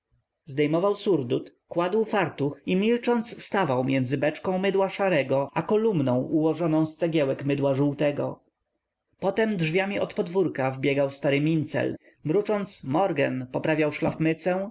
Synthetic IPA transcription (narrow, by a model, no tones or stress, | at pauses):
zd̪ɛjmɔvawsuɾd̪ut̪kwad̪wfaɾt̪uximʲilt͡ʂɔnt̪sst̪avawmʲjɛnd̪zɘbɛt͡ʂkɔ̃w̃mɘd̪waʂaɾɛɡɔʔakɔlumnɔ̃w̃ʔuwɔʐɔnɔ̃w̃st̪sɛɡʲjɛwɛkmɘd̪waʐuwt̪ɛɡɔ̰ | pɔt̪ɛmd̪ʐvʲjamʲiɔt̪pɔd̪vuɾkavbʲjɛɡawst̪aɾɘmʲint̪sɛ̰l | mɾut͡ʂɔnt̪smɔɾɡɛ̰npɔpɾavʲjawʂlafmɘt̪sɛ̃